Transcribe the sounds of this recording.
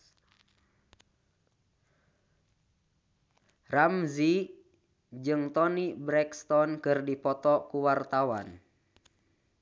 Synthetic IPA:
ramzi | d͡ʒɨŋt̪ɔnibɾɛkst̪ɔnkɨrdipɔt̪ɔkuwart̪awan

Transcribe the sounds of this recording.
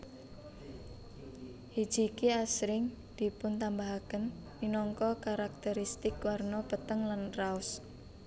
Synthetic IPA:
hi̥d͡ʒ̥i̤kiasɾɪŋ | d̪̥i̤pʊnt̪ambaɦakənː | inɔŋkɔkaɾak̚t̪ɛɾist̪ɪkwarnɔpət̪əŋlanraʊs

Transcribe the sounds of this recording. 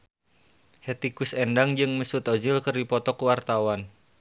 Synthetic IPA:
hɛt̪ikusɛndaŋd͡ʒɨŋməsut̪ɔd͡ʒilkɨrdipɔt̪ɔkuwart̪awan

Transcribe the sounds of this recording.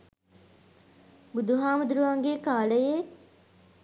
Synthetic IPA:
bud̪uɦaːmud̪uɾuʋaŋɡeːkaːləje

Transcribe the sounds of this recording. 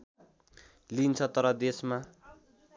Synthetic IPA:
lint͡sʰʌt̪ʌɾʌd̪esma

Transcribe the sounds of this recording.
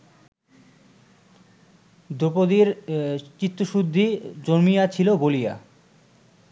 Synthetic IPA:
d̪opod̪iɾt͡ɕit̪ːoʃud̪ʱːid͡ʑoɾmijat͡ɕʰilobolija̰

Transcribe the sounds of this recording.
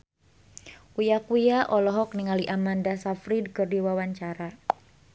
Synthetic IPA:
kujakujaʔɔlɔɦɔkniŋaliʔamandasafɾidkɨrdiwawaɲt͡ʃaɾa

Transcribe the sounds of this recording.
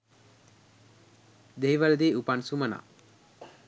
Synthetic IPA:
d̪eɦiʋald̪eːupansuməna̰

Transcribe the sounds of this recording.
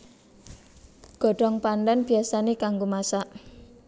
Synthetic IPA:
ɡ̥ɔ̤ɖɔŋpandanb̥i̤asanekaŋɡomasaʔ

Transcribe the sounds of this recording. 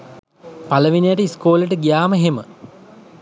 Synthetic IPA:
paləʋinijəʈəiskoːləʈəɡijaːməɦemə̰

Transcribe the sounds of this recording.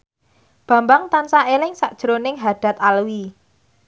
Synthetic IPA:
b̥ä̤mbaŋt̪ansaʔelɪŋsaʔd̥ʒ̥əɾonɪŋɦaɖ̥a̤t̪alwi

